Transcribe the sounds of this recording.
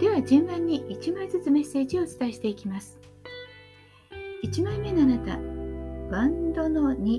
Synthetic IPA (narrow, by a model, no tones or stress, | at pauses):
d̪̥e̞βad͡ʑɨ̃mbãɲ̟ːiʔit͡ɕimaizɨt͡sɨme̞se̞ːʑio̞ːt͡sɨ̥t̪aeɕi̥t̪e̞ikʲimasɨ̥ | it͡ɕimãmːe̞noanat̪a | bãnd̪o̞no̞ɲ̟i